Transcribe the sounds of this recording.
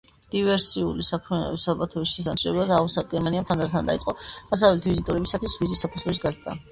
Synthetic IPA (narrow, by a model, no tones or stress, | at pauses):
d̪̥ivɛɾsiulisapʰɛsalˠbat̪ʰɔvisʃɛsant̪sʰilɛ̰blˠad̪ausad̪̚ɡɛɾmaniamt̪ʰand̪aɾt̪ʰand̪a̰it̪sʼɔd̥as̬avɛlt̪ʰivizit̪ʼɔɾɛbisat̪ʰwisvizisapʰusʰlɛisɡazd̪a̰